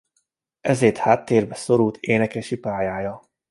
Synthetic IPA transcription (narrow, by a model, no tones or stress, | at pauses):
ɛzeːrt̪haːt̪ːeːrbɛso̞ɾult̪ʰeːnɛkɛʃipaːjaːjɒ